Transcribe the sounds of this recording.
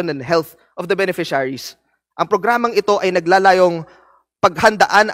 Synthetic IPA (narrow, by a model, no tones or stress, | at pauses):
onɛnd̪ɦɛlθ | ʔɔvd̪ɐbɛnɛfɪʃaɹis | ʔɐŋpɾoɡɾaːmɐŋɪt̪o̞ʔɐjnɐɡlaːlaːjo̞ŋ | pɐɡhɐnd̪ɐ̰ʔan